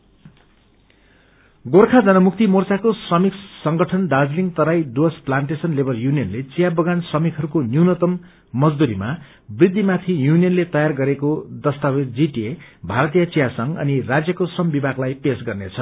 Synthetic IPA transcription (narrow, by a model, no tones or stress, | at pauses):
ɡorkʰad͡zʌnʌmukt̪imort͡sakosrʌmiksʌŋɡʌʈʰʌnɖad͡zliŋɡt̪ʌɾajɖuʌsplaɳʈesʌnlebʱʌrjunijʌnlet͡sijabʌɡansrʌmikɦʌɾukonjuwnʌt̪ʌmː | ʌd͡zd̪uɾima | brid̪ʱːimat̪ʰijunijʌnlet̪ʌjarɡʌɾekod̪ʌst̪awed͡ziʈiebʱaɾʌt̪ijʌt͡sijasʌŋʌ̰nirad͡zjʌkosrʌmbibʱaɡlajpesɡʌrnet͡sʰʌ